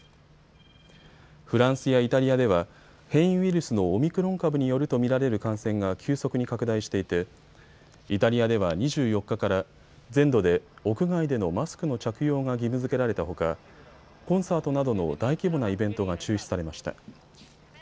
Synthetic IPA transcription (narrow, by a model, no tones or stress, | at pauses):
ɸɯ̟ɾãɰ̃sɨjait̪aɾʲijad̪e̞β̞a | hẽ̞ɰ̃ĩiɾʲɯ̟sɨno̞ːmʲikɯ̟ɾõ̞ŋkabɯ̟ɲ̟ijo̞ɾɯ̟t̪o̞mʲiɾaɾe̞ɾɯ̟kãɰ̃sẽ̞ŋɡakʲɨːso̞kɯ̟ɲ̟ikakɯ̟d̪aiɕi̥t̪e̞it̪e̞ | it̪aɾʲijad̪e̞β̞aɲ̟iʑɨːjo̞kːakaɾa | d͡zẽ̞nd̪o̞d̪e̞o̞kɯ̟ɡaid̪e̞no̞masɨ̥kɯ̟no̞t͡ɕakɯ̟jo̞ːŋaɡʲimɯ̟zɨke̞ɾaɾe̞t̪aɦo̞ka | kõ̞ɰ̃saːt̪o̞nad̪o̞no̞̰d̪aikʲibo̞naibẽ̞nt̪o̞ɡat͡ɕɨːɕii̥saɾe̞maɕi̥t̪a̰